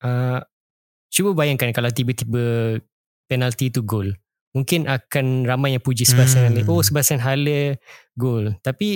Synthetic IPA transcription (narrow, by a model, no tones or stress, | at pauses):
ʔə | t͡ʃubəbajaŋkankalawt̪ibət̪ibə | pɛnalt̪it̪uɡol | muŋkɪnʔakanramajaŋpud͡ʒisəbasanaləʔosəbaasanɦalə | ɡolt̪api